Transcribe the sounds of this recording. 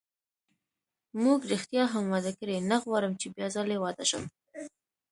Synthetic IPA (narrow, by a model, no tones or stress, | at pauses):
muɡɾixt̪jɑɦamwɑd̪akəɾenaɣwɑɾəmt͡ʃebjɑzəlewɑd̪aʃə̰m